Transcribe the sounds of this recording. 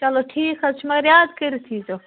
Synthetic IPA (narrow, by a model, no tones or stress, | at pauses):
t͡ʃɐloʈʰiːkʰɐt͡ʃʰmɐɡɐɾjaːd̪kəɾit̪ʰiːso